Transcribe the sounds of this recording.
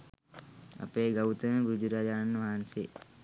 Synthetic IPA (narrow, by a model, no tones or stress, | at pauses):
ɐ̰peːɡɐwut̪ənəbɾud͡ʒuɾaːd͡ʒaːnːʋaɦanseː